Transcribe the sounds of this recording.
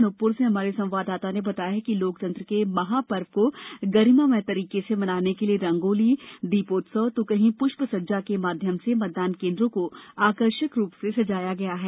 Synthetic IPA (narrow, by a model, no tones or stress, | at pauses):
nʊpːʊɾseɦɐmaːɾesɐ̃ʋaːd̪aːt̪anẽbɐt̪aːjaɦɛkiloːk̚t̪ɐ̃nt̪ɾəkemɐɦapɐɾʋkoɡɐɾimamẽt̪ɐɾiːkesemɐnaːnekelieɾɐ̃ŋɡoːlid̪iːpoːt̪sɔːt̪okɐɦĩpʊʃpəsɐd͡ʒakemaːd̪ʱjəmsemɐt̪̚d̪aːnkẽːnd̪ɾõkoaːkəɾʃəkɾuːpsesɐd͡ʒaːjaɡɐjaɦɛː